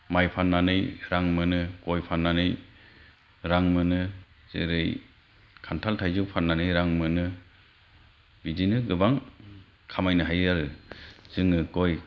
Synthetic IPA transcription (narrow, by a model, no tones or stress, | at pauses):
majpʰanːanɯjɾaŋmɯnɯkojpʰanːanɯj | ɾaŋmɯnɯ | z̥ɯ̰ɾɯj | kʰantʰaltʰajzɯwpʰanːanɯjɾaŋmɯnɯ | bidinɯɡɯbaŋ | kʰamajnɯɦajaɾɯz̥ɯŋːɯkoj